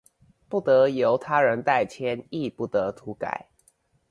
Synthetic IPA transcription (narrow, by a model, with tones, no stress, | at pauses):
pu˥˩t̪ɤ˨˦jo˨˦ʊt̪ʰa˥ɻə˧˦nt̪a˥˨ɪt͡ɕʰjɛ˦ni˥˧pu˥˩t̪ə˨˧˦t̪ʰu˨˦ka̰˨˩˦ɪ